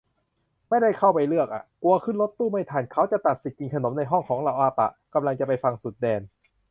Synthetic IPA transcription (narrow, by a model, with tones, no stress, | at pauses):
ma˥˩jda˥˩jkʰa˥˩wpa˧jlɯ˥˩ək̚ʔa̰˨˩ʔku˧ɐkʰɯ˥˩nlo˦˥t̪ːuː˥˩ma˥˩jt̪ʰaː˧˩nkʰa˦˥wt͡ɕa˨˩t̪a˨˩t̪̚si˨˩t̪̚ki˧ŋkʰa˧no˩˦mna˧jɦɔ˥˩ŋkʰɔː˩˦ŋla˧wʔaː˧pa̰˨˩ka˧mla˧ŋt͡ɕa˨˩pa˧jfa˧ŋsu˨˩t̪̚dɛː˧n